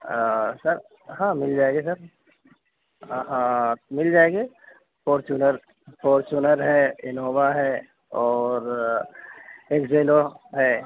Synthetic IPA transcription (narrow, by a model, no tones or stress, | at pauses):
sɐɾ | ɦãːmɪld͡ʒaːeɡes̬ɐɾ | ɦãmɪld͡ʒaːeːɡe | poːɾt͡ʃunəɾ | foːɾt͡ʃunəɾɦɛːɪnoːʋaɦɛ | ɔːɾ | eːkd͡ʒeːloɦɛː